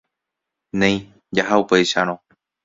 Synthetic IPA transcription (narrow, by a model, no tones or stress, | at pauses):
nẽj̃ | d͡ʒaɦaupejʃaɾ̃õ